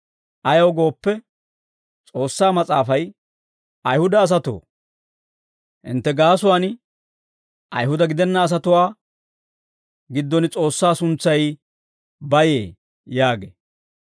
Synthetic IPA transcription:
ʔɐjɐwɡo̞ːpːɛ | t͡sʼo̞ːsːaːmɐt͡sʼaːfɐj | ɐjhʊd̪ɐːs̬ɐt̪o̰ː | hɪ̰nt̪ːɛɡaːsʊwaːn | ʔɐ̰jɦʊd̪ɐɡɪd̪ɛnːɐːs̬ɐt̪ʊwaː | ɡɪd̪ːɔnɪt͡sʼo̞ːsːaːsʊnt͡sːɐj | bɐjḛː | jaːɡḛ

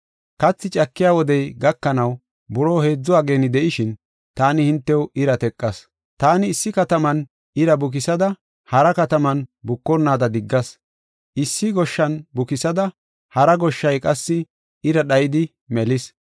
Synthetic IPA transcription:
kɐt͡sːɪt͡ʃʼɐkːɪjaːwɔd̪ɛjɡɐkːɐnɐw | bʊɾoːhe̞ːd͡zːʊwaːɡe̞ːnɪd̪ɛʔɪʃɪn | t̪aːnɪhɪnt̪ːɛwɪɾɐt̪ɛkʼːɐs | t̪aːnɪːsːɪkɐt̪ɐmɐn | ɪɾɐbʊk̬ɪsɐd̪ɐ | hɐɾɐkɐt̪ɐmɐnbʊkːɔnːaːd̪ɐd̪ɪɡːɐs | ʔɪsːɪɡɔʃːɐnbʊkɪsɐd̪ɐ | hɐɾɐɡɔʃːɐjkʼɐsːɪ | ɪɾɐɗɐjɪd̪ɪ | mɛlɪs

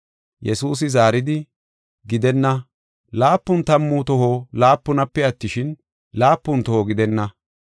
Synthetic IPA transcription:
jɛsuːs̬ɪzaːɾɪd̪ɪ | ɡɪd̪ɛnːɐ | laːpːʊnt̪ɐmːʊt̪ɔɦolaːpːʊnɐpːɛɐt̪ːɪʃɪn | laːpːʊnt̪ɔhoɡɪd̪ɛnːɐ

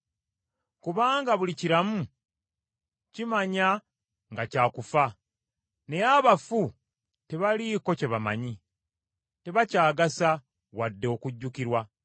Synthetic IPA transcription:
kuβaːŋɡaβuliciɾamu | cimaɲa | ŋɡacaːkufa | ne̞aβafu | te̞βaliko̞ce̞βama̰ɲi | te̞βacaːɡasa | wadːe̞kuɟːukiɾwa

